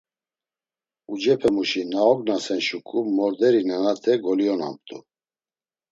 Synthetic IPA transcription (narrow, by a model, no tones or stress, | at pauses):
ud͡ʒɛpʰɛmuʃinaɔɡnasɛnʃukʼumɔɾd̪ɛɾinanat̪ʰɛɡɔliɔna̰mp̚t̪ʼṵ